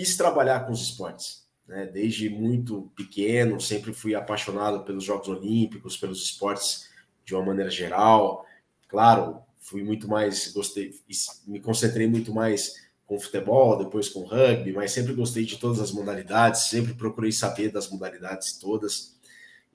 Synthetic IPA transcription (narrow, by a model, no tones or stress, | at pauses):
fist̪ɾabaʎaɾkõʊzɪspɔɾt͡ʃɪ̥s | nɛd̪ejzd͡ʒɪmũj̃t̪ʊpɪkẽnʊsẽmpɾɪfujapajʃonad̪ʊpelʊzʒɔɡʊzolĩpikʊspelʊzɪspɔɾt͡ʃɪ̥s | d͡ʒɪũmɐmɐ̃nejɾɐʒeɾaw | klaɾʊ | fujmũj̃t̪ʊmajsɡost̪ejsmɪkõsẽnt̪ɾejmũj̃t̪ʊmajs | kõfu̥t̪ebɔwd̪epojskõʊhɐɡ̚bimajsːẽmp̬ɾɪɡost̪ejd͡ʒɪt̪od̪ɐzɐzmod̪alid̪ad͡ʒɪsːẽmpɾɪpɾokuɾejsabeɾd̪ɐzmod̪alid̪ad͡ʒɪz̥ɪ̥t̪od̪ɐs